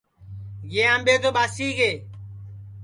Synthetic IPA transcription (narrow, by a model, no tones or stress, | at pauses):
ɡeːãːmɓeːt̪oːɓaːsiːɡeː